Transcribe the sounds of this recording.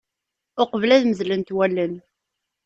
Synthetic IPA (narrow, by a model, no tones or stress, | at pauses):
ʊqvlæðməzlənt̪wælːən